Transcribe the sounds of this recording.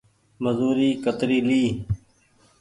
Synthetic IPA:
məzuːɾiːkət̪ɾiːliː

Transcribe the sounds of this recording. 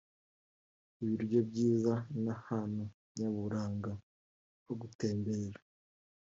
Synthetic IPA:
iβiɾɟo̞bɟiːzanahanu | ɲaβuɾaːŋɡa | βoɡute̞ːmbeɾa

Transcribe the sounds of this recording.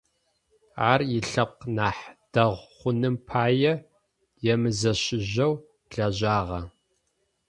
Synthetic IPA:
aːrjɪɬɐp̚qnaːħd̥ɐʁʷχʷʊnɨmpʰaːjɛ | jɛmɨzɐɕɪʑɐw | ɮɐʑaːʁɐ

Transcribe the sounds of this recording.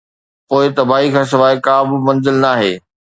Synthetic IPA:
poːɪt̪ɐbaːɦikʰãːsɪʋaːɪkaːbɪ̆mɐ̃nzɪlnaːɦḛː

